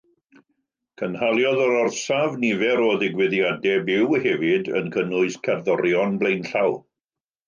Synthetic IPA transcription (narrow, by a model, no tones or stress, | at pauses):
kʰənhalˠjɔðɔɾɔrsavnɪvɛɾoðɪɡwɛðjadɛbɪwhɛvɪdə̰nkʰənʊɨskʰɛrðɔɾjɔnblˠejnɬaw